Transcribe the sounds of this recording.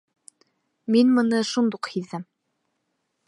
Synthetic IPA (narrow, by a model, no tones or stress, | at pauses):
minmɤ̆nɤʃund̪uqhiðɘm